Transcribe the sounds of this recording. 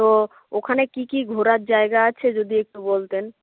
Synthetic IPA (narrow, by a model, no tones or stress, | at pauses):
t̪o | okʰanekikiɡʱoɾaɾd͡ʑaeɡaat͡ɕʰed͡ʑod̪iek̚ʈubolt̪en